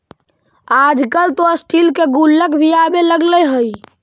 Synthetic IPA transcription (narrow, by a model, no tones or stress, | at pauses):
ad͡ʒkəlt̪osʈʰilkeɡulːəkbʱijabeləɡləjɦəj